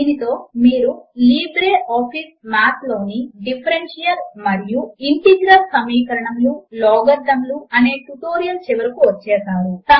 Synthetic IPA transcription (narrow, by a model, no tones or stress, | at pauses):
init̪o̞ːmiːɾuliːbɾeːʔɔːpʰismaːt̪lo̞ːniɖipʰɐɾenʂijɐɾmɐɾijuiɳʈiɡɾɐlsɐmiːkɐɾɐɳɐmlulɔːɡɐɾd̪ʱːɐmluɐne̞ːʈuʈo̞ːɾijɐlt͡ʃɛʋɐɾɐkuʋɐt͡ʃːɛːsaːɾut̪ɐ